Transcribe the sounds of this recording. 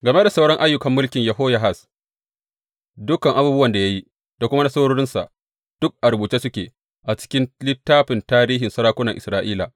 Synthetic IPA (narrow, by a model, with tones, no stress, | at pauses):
ɡɐ˨me˦da˨sa˦wɽɔ˦ŋʔa˦jːʊ˦kɐ˨mːʊ˦lkʲɪ˨ɲjɐ˨ɦoː˦ja˨ɦa˨s | dʊ˦kɐ˨ŋʔa˨buː˦bʊ˦wɐ˨nda˨ja˦ji˦ | da˨kʷʊ˦ma˦na˦sa˦ɽoː˦ɽɪ˦nsa̰˨ʔ | d̥ʊ˦k̚ʔa˨ɾbuː˨t͡ʃe˦sʊ˦kʲḛː˨ | ʔa˨t͡ʃɪ̥˦kʲɪ˦nlɪ˦tːaː˦ɸɪ˨ntaː˦ɾiː˦ɦɪ˨nsɐ˦ɽaː˦kʷʊ˦nɐ˨ŋʔɪ˨sɾaː˦ʔiː˦la̰˨